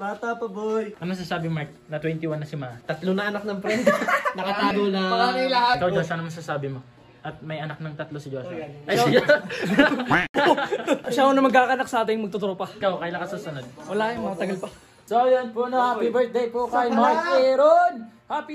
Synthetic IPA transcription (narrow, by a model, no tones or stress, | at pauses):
bat̪ɐpɐbojʔɐmɐs̬aːsaːbɪmaɹt̪̚nɐt̪wɛnt̪ɪwanːɐsɪmat̪ɐt̪lonɐʔɐnak̚nɐŋpɾɛnd̪ɛnɐkɐt̪aːɡolaɐaɾɪlɐhakawd͡ʒosɐnɐmɐɡsasaːbɪmo | ʔɐt̪̚mɐjɐnak̚nɐŋt̪ɐt̪losɐd͡ʒosɐjkd͡ʒ | ʃaonɐmɐɡ̚kakɐnaksɐʔaːt̪ɪŋmɐɡ̚t̪ot̪oɾopɐɪkawkɐjlaŋkɐsasɐnɐd̪̚wɐlaːjʊŋmɐkɐt̪ɐɡɐlpɐ | sajɐnponɐhaːpibɛɹt̪̚d̪ejpokajmaɹɛɾonhaːpi